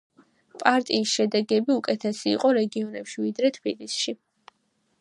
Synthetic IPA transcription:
pʼaɾt̪ʼiːsʃɛd̪ɛɡɛbiukʼɛt̪ʰɛsḭːqʼɔɾɛɡiɔnɛpʃivid̪ɾɛt̪ʰb̥ilisʃi

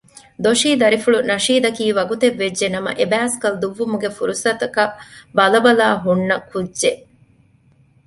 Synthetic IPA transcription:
d̪oʃiːd̪ɐɾifuɭunɐʃiːd̪ɐkiːʋɐɡut̪eʋːeʒenɐmɐ̰ʔebæːskɐld̪uʋːumuɡefuɾusɐt̪ɐkɐbɐlɐbɐlaːɦunːɐkʰudːʒe

